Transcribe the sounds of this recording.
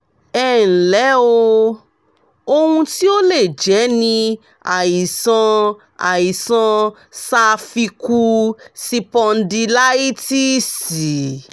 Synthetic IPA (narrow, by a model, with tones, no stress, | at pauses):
ɛ˦˨n̩˨lɛ˨˦o˧ | o˧hũ˧ti˦o˦le˦˨d͡ʒɛ˨˦nĩ˧ | a˨ji˨sã˧ | a̰˨ji˨sã˧ | sa˧fi˧ku˧si˧pɔ̃˧n̩˦di˧la˦i˦ti˦si˨